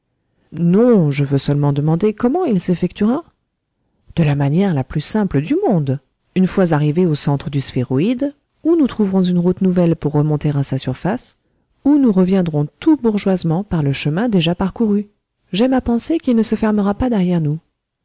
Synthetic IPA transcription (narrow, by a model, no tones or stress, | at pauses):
nɔ̃ʒəvøsœlmɑ̃d̪əmɑ̃d̪ekɔmɑ̃ilsefɛk̚t̪yʁa | d̪̥əlamanjɛʁlaplysɛ̃pləd̪ymɔ̃d̪ | ynfwazaʁiveosɑ̃t̪χəd̪ysfeʁoid̪ | unut̪χuvʁɔ̃zynʁut̪nuvɛlpuʁːəmɔ̃t̪eʁasasyʁfas | unuʁəvjɛ̃d̪ʁɔ̃t̪ubuʁʒwazmɑ̃paʁləʃəmɛ̃d̪eʒapaʁkuʁy | ʒɛmapɑ̃sekilnəsəfɛʁməʁapad̪ɛʁjɛʁnu